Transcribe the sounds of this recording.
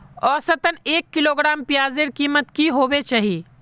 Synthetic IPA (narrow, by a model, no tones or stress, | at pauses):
ɔːsət̪əneːkːɪloːɡɾaːmpjaːzeɽkiːmət̪kiɦoːwet͡ʃaːɦiː